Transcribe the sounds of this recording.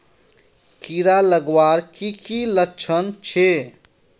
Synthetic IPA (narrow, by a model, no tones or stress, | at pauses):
kiɾaləɡwaɾkikiləkt͡ʃʰənt͡ʃʰe